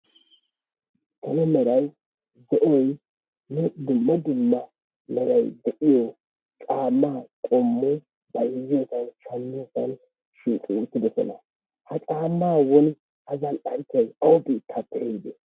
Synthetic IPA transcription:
t̪ʰɐnɛmɛɾɐj | zɛʔɔj | nɛd̪ʊmːɐd̪ʊmːɐ | mɛɾɐjd̪ɛʔɪjɔ | t͡ʃʼaːmːaːkʼɔmːʊ | bɐjɪzːɪjɔsɐnʃɐnːɪsɐn | ʃiːt̪ʼɪut̪ːɪd̪ɛsɔ̰nɐ̰ | hɐt͡ʃʼaːmːaːwɔn | hɐzɐnɗɐnt͡ʃːɐjɐwɔbiːt̪ʰːapːɛɛd̪ɛ

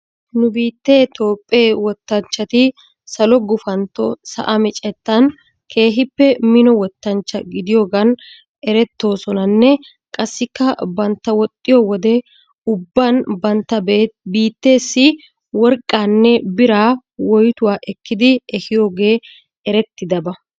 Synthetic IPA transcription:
nʊbiːt̪ːe̞ːt̪o̞ːpʼːeːwɔt̪ːɐnt͡ʃːɐt̪ɪ | sɐlɔɡʊfɐnt̪ːɔsɐ̰ʔɐmɪt͡ʃʼɛt̪ːɐn | kʰe̞ːɦɪpːɛmɪnɔwɔt̪ːɐnt͡ʃːɐɡɪd̪ɪjo̞ːɡɐn | ɛɾɛt̪ːo̞ːsɔnɐnːɛ | kʼɐsːɪkːɐbɐnt̪ːɐwɔt̪ʼːɪjɔwɔd̪ɛ | ʊbːɐnbɐnt̪ːɐbiːt̪ːe̞ːsːɪ | wɔɾkʼːaːnːɛbɪɾaː | wɔjt̪ʊwaːʔɛkːɪd̪ɪɛhɪjo̞ːɡe̞ː | ɛɾɛt̪ːɪd̪ɐbɐ

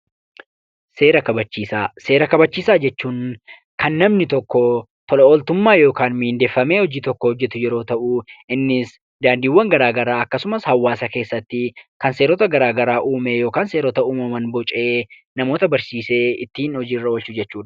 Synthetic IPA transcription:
se̞ːɾɐkɐbɐt͡ʃːiːsaːse̞ːɾɐkɐbɐt͡ʃːiːsaːd͡ʒɛt͡ʃːuːn | kɐnːɐmnɪt̪ɔkːɔ | t̪ɔlɐoːlt̪ʊmːaːjo̞ːkaːnmiɪnd̪e̞ːfːɐme̞ːhɔd͡ʒiːt̪ɔkːɔhɔd͡ʒːɛt̪ʊjɛɾo̞ːt̪ɐʔʊɪnːɪs | d̪aːnd̪iːwːɐŋɡɐɾaːɡɐɾaːɐkːɐsʊmɐshɐwːaːsɐke̞ːsːɐt̪ːɪkɐnse̞ːɾɔt̪ɐɡɐɾaːɡɐɾaːʔuːmejo̞ːkaːnse̞ːɾɔt̪ɐuːmɐmɐnbɔt͡ʃʼe̞ː | nɐmo̞ːt̪ɐbɐɾsiːse̞ːɪt̪ːiːnhɔd͡ʒiːrːɐwɔlt͡ʃʊd͡ʒɛt͡ʃːuːᶑ

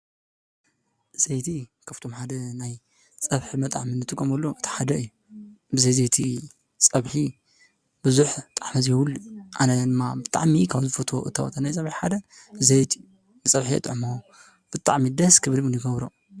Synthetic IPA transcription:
z̥ejt̪ʰikʰɐft̪ʰo̞mħad̪ɐnaj | t͡sʼɐβħɨmɐt̪ʼaʕmɨnɨt̪ʼɨkʼːomɐlːoʔɨt̪ʰi̥ħad̪ɐɨjːu | bɨzɐjzejt̪ʰi | t͡sʼɐβħi | b̥ɨzuħt̪ʼaħmɐzjɛwuluʔanɐd̪ɨmːabɨt̪ʼa̰ʕmikʰaβzɨfɐt̪ʰo̞̰ʔɨt̪ʰɐwɐ̰t̪ʰɐnajt͡sʼɐβħiħad̪ɐ | bɨzɐjt̪ʰi̥ | ɨt͡sʼɐβħiɐ̰t̪ʼʕmo | b̥ɨt̪ʼa̰ʕmid̪ɐskʰɨβɨlmɨnjɨɡɐβɾo

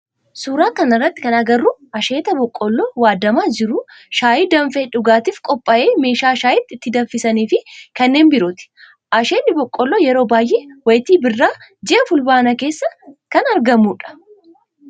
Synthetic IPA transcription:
suːɾaːkɐnɐrːɐt̪ːɪ̥kɐnɐɡɐrːuɐʃe̞ːt̪ɐbɔkʼːɔlːoːwaːd̪ɐmaːd͡ʒɪɾʊ | ʃaːjiːd̪ɐɱfeːᶑʊɡaːt̪iːfkʼɔpʼːɐʔe̞ːme̞ːʃaːʃaːjɪt̪ːɪɪt̪ːɪd̪ɐfɪsɐniːfɪkɐnːe̞ːnbɪɾot̪ɪ̥ | ʔɐʃe̞ːnːɪbɔkʼːɔlːojɛɾo̞ːbaːjʔeːwɐjt̪iːbɪrːaːd͡ʒɛʔɐfʊlbaːnɐke̞ːsːɐkɐnɐɾɡɐmuːᶑɐ̥

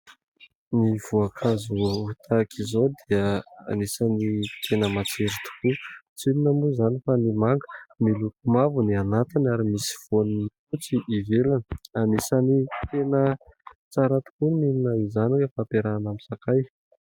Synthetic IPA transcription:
niv̥uakʰazuut̪ʰakʰizod̪iəa̰nisanii̥t̪ʰenəmat͡seɾit̪u̥kut͡sininamuzanifanimaŋɡə̥milukumavunianat̪inaɾimisi̥v̥oninifut͡siʔːvelanəanisanit̪enət͡saɾat̪u̥kumininaizanikəfapeɾanamisakaj

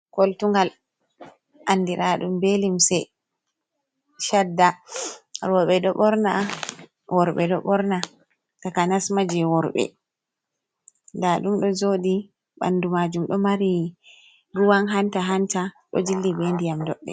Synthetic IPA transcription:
koltuŋɡal | ʔanːdiɾaɗumbelimsɛ | ʃadːa | ɾɔɓɛɗɔɓɔɾna | wɔɾɓɛɗɔɓɔɾna | takanasmad͡ʒɛwɔɾɓɛ̰ | ndaɗumɗɔzodi | ɓa̰ndumad͡ʒumɗɔmaɾi | ɾuwanɦantaɦantaɗɔ̰d͡ʒilːibendijamdɔɗːɛ̰

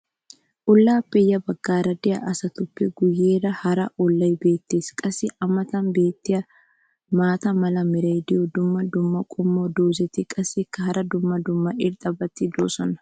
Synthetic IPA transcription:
ʔʊlːaːpːɛjːɐbɐɡ̥ːaːɾɐd̪ɪjɐ̰ʔɐsɐt̪ʊpːɛɡʊjːeːɾɐhɐɾɐʔɔlːɐjbe̞ːt̪ːe̞ːskʼɐsːɪɐmɐt̪ɐnbe̞ːt̪ːɪjɐ | maːt̪ɐmɐlɐmɪɾɐjd̪ɪjɔd̪ʊmːɐd̪ʊmːɐkʼʊmːoːd̪oːzɛt̪ːɪkʼɐsːɪkːɐhɐɾɐd̪ʊmːɐd̪ʊmːɐʔɪɾt̪ʼɐbɐt̪ːɪd̪o̰ːsɔnɐ̥

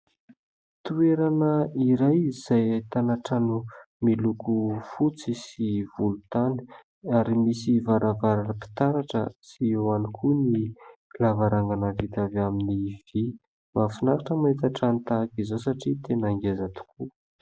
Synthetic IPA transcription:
t̪ueɾanəiɾajiz̥ajt̪anaʈ͡ʂanu | milukufut͡sisivulut̪ani̥ | aɾimisivaɾavaɾanəpi̥t̪aɾaʈ͡ʂə̰siewanikʰunilavaɾaŋɡanavit̪avaminiv̥i | mafunaɾaʈ͡ʂəmait̪aʈ͡ʂanit̪akizosaʈ͡ʂit̪enaŋɡezat̪u̥kʰu

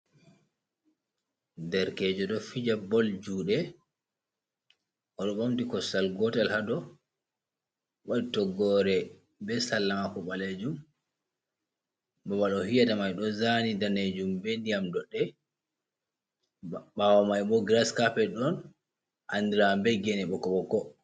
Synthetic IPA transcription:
dɛɾkɛd͡ʒɔɗɔfid͡ʒabɔld͡ʒuːɗɛ | ʔɔɗɔɓamtikɔstalɡɔtalhadɔ | waɗitɔɡɔɾɛ | bɛsalːamakɔɓaled͡ʒum | bɔbalɔhijatamajɗɔzanidaned͡ʒumbendiamdɔɗːɛ | bawamajbɔɡɾaskapɛɗɔn | ʔandiɾambɛɡɛnɛɓɔkɔɓɔkɔ

